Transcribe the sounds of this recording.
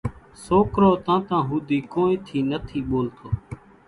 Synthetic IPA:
soːkɾoːt̪ãːt̪ãːɦuːd̪iːkoːĩːt̪ʰiːnət̪ʰiːɓoːlt̪ʰoː

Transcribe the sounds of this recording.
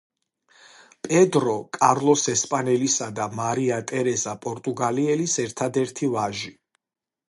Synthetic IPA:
pʼɛd̪ɾɔkʼaɾlˠɔsɛspʼanɛlisad̪amaɾiat̪ʼɛɾɛzapʼɔɾt̪ʼuɡaliɛlisɛɾt̪ʰad̪ɛɾt̪ʰivaʒi

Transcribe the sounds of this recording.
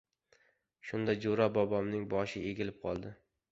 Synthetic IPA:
ʃʊnd̪ad͡ʒoɾabɒbɒmnɪŋbɒʃɪeɡʲɪlɪp̚qʰɒlˠd̪ɪ

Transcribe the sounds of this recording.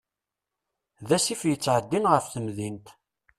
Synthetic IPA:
ðæsifjət͡sːʕəd̪ːinʁəfθəmðint̪

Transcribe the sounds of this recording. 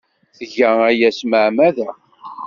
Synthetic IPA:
θəʝææjæsməʕmæðæ

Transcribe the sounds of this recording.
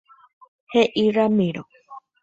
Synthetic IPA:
heʔiɾamĩɾo

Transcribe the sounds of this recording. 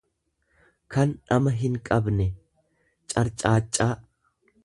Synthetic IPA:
kɐnᶑɐmɐɦɪŋkʼɐbnɛ | t͡ʃʼɐɾt͡ʃʼaːt͡ʃʼːaː

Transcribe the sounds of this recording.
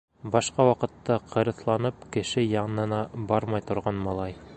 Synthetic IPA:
bɑʃqɑwɑqɤ̆t̪ːɑqʰɤ̆ɾɤ̆θlˠɑnɤpkɘ̆ʃɘjɑɴnɤ̆nɑbɑɾmɑjt̪ŏɾʁɑnmɑlˠɑj

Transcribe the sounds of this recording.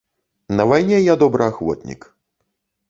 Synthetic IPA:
nɐvajnʲɛjad̪ɔbɾɨaxvɔ̰t̪ʲnʲḭk

